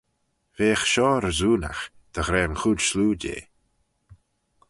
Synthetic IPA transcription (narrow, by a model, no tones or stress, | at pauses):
veːxʃɔːɾəzuːna̰x | d̪̥əɣɾɛːnxudʃluːdḛː